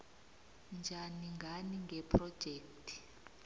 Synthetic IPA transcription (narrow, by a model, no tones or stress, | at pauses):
nd͡ʒʱaniŋɡʱaniŋɡʱɛpʰrɔd̥ʒ̥ʱɛːktʰʼi̥